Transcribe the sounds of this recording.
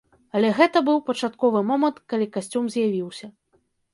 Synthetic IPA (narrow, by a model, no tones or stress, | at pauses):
ɐlʲɛɣɛt̪ɐbɨwpɐt͡ʂat̪kɔvɨmɔmɐnt̪kalʲikasʲt͡sʲumzʲjavʲiwsʲɐ